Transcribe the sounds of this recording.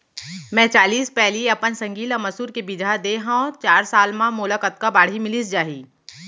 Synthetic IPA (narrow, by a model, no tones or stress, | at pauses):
mɛ̃t͡ʃaːliːspɛɦliɐpənsɐ̃ŋɡiːləmɐsuːɾkebɪd͡ʒʱad̪eɦãɔt͡ʃaːɾsaːlmãmʊləkət̪̚kabaːɽ̤imɪlisd͡ʒaːɦiː